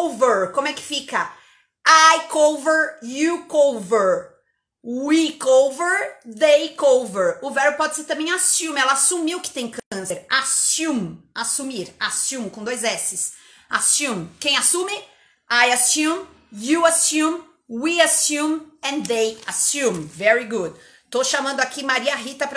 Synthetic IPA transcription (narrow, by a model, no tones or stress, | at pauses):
oveɾkõmʊɛkɪ̥fikɐ | ajkowveɾjukowveɾ | wikowveɾd̪ejkowveɾʊvɛɾʊpɔd͡ʒɪseɾt̪ɐ̃mẽj̃asũmɪɛlɐasumiwkɪ̥t̪ẽj̃kɐ̃seɾasũmasumiɾasũmkõd̪ojzɛsɪs | a̰sjũmkẽj̃asũmɪ | ajasũm | juasũm | wiasũmɛ̃nd̪ejasũmvɛɾiɡud̪ | t̪oʃamɐ̃nd̪ʊakimaɾiɐɦit̪ɐpɾ